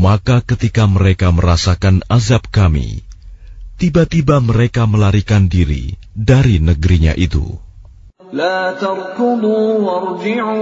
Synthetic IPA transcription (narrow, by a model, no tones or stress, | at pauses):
makakət̪ikaməɾekaməɾasakanazap̚kamḭ | t̪ibat̪ibaməɾekaməlaɾikandiɾḭ | daɾinəɡəɾiɲa̰ʔit̪ṵ | laːt̪ɑɾˤkʊd̪uːwɑɾˤd͡ʒɪʕuː